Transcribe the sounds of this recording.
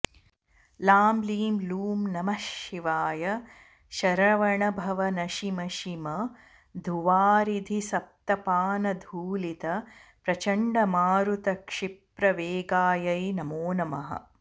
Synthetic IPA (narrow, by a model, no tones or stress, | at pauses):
laːmliːmluːmnɐmɐʃiʋaːjɐ | ʃɐɾɐʋɐɳɐbʱɐʋɐnɐʃimɐʃimɐ | d̪ʱuʋaːɾid̪ʱisɐp̚t̪ɐpaːnɐd̪ʱuːlit̪ɐpɾɐt͡ʃɐɳɖɐmaːɾut̪ɐkʂipɾɐʋeːɡaːjɐjnɐmoːnɐmɐ̰ɦɐ̰